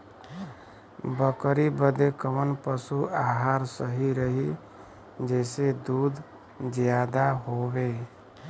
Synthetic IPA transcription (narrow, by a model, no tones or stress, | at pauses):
bəkɾibəd̪ekəmənpəsuaɦaɾsəɦiɾəɦi | d͡ʒɛɪsed̪ud̪ʱ | d͡ʒjad̪aɦobe